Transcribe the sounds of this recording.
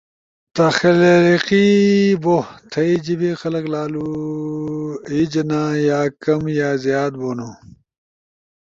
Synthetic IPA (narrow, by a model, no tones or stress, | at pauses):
t̪ɐxɐlɾiqibot̪ʰɐid͡ʑibixɐlɐklaːlu | id͡ʑnaːjaːkɐmjaːzjaːt̪̚boːnoː